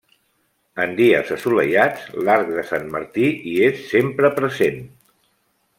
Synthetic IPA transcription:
ənd̪iə̰zəsulə̰ʎad͡zlaɾk̚ðəsanmə̰ɾt̪iʔiesːempɾəpɾəzen

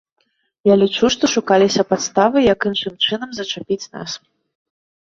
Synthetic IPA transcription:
jalʲit͡ʂuʂt̪ɔʂukalʲisʲɐpat̪st̪avɨjɐkɨnʂɨmt͡ʂɨnɐmzɐt͡ʂapʲit͡sʲna̰s

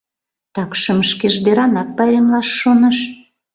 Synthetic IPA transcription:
t̪ɑkʃə̆məʃkeʒd̪eɾɑnɑk̚pɑɾʲemlɑʃːonə̆ʃ

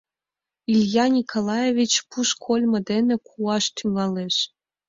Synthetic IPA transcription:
ilʲjɑnʲikʰolˠɑjevʲit͡ɕpuʃkʰolʲmɤ̆d̪enĕkʰuɑʃt̪ʰyŋɑleʃ

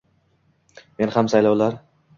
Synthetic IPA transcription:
me̞nhamsajlɒwlaɾ

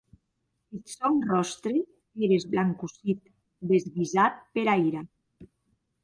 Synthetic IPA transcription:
et̪sɔnrɔst̪ɾe | eɾezβlaŋkusit̪ | d̪ezɣizat̪̚peɾajɾa

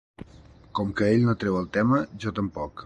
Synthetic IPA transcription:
kɔmkəeʎnot̪ɾɛwəlˠt̪ɛməʒɔt̪əmpɔk

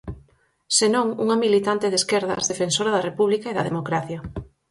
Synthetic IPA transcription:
senõŋṵŋɐmilit̪ant̪eðeskɛɾðɐ̰zðefensoɾaðɐrepuβlikaeðɐðemokɾaθjɐ

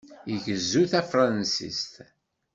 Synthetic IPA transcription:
jəʝəzːuθæfɾˤɑnsḭst̪

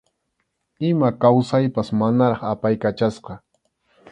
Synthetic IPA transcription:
ɪmakawsajpasmanaɾɑχapajkat͡ʃasqɑ

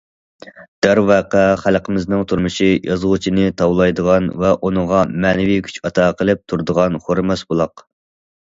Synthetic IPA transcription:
d̪̥æɾvæqæχælqʰəmɪznɨŋt̪ʰuɾmuʃijʔɑzʁut͡ʃʰinɨt̪ʰɑwlˠɑjd̪əʁɑnvɛʔunəʁɑmɛːnɪvijkʲʰy̥t͡ʃʰɑt̪ʰɑːqʰəlˠɨp̚t̪ʰuɾd̪əʁɑnχoɾmɛsbulˠɑq

